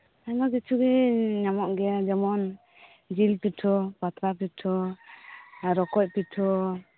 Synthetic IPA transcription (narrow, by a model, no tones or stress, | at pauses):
anɔɡit͡ʃʰuɡɛɲamɔʔɡɛad͡ʒɔmɔn | d͡ʒilpitʰɔpat̪ɾapitʰɔ | ɾɔkɔc̚pitʰɔ